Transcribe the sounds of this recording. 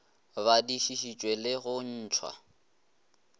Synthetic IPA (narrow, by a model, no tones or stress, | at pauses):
βadiʃiʃit͡ʃʼwelɪɣʊn̩ːt͡ʃʰwa̰